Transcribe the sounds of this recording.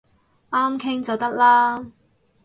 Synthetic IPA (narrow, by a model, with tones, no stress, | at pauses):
ʔaː˥mkʰɪ˥ŋt͡sɐ˨wt̪ɐ˥k̚laː˥